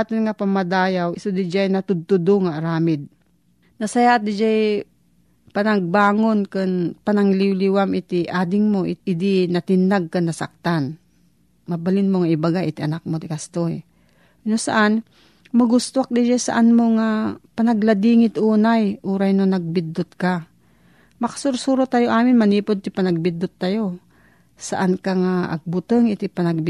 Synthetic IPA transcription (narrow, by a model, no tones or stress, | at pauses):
at̪ɪnŋapɐmad̪aːjawɪsʊd̪ɪd͡ʒajnɐt̪ʊd̪̚t̪ʊd̪oŋaɾaːmɪd̪̚ | nɐsɐjad̪ɪd͡ʒaj | pɐnaɡ̚baːŋonkɨnpanaŋliwliwamɪt̪ɪʔaːd̪ɪŋmoʔɪt̪̚ɪd̪ɪnɐt̪ɪnːaɡ̚kanːɐsa̰k̚t̪an | mɐbalɪnmoŋaʔɪbaɡaʔɪt̪ɐnak̚mot̪ɪkast̪oj | nosa̰ʔan | mɐɡʊst̪oak̚d̪ɪʃasɐ̰ʔanmoŋapɐnɐɡlad̪iːŋɪt̪ʔuːnajʔuːɾajnonɐɡ̚bɪd̪ːʊt̪̚ka | mɐkḁsʊɾsuːɾot̪ajoʔaːmɪnmɐniːpod̪̚t̪ɪpɐnɐɡ̚bɪd̪ʊt̪ːajo | sɐ̰ʔankaŋaʔɐ̰ɡ̚bʊt̪əŋɪt̪ɪpɐnɐɡ̚b